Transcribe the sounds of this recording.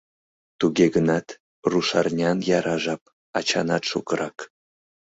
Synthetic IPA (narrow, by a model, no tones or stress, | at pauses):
t̪uɣeɡənɑt̪ | ruʃɑrnʲɑnjɑɾɑʒɑp̚ | ɑt͡ɕɑ̰nɑt̪ʃokəɾɑk